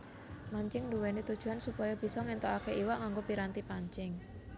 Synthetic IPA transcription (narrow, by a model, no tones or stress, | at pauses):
maɲt͡ʃɪŋnduwɛnit̪ud̥ʒ̥ṳɦansupɔjab̥i̤sɔŋɛnt̪ɔakeʔiwaʔŋaŋɡopiɾant̪ipaɲt͡ʃɪŋ